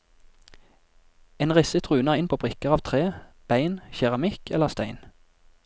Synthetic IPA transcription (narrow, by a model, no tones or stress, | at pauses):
eːnʁɪsət̪ʰʁʉːnəʁɪnpʰoːbʁɪkəʁɑːʋt̪ʰʁeː | b̥æɪnçɛʁɑmɪkʰɛləʁst̪æɪn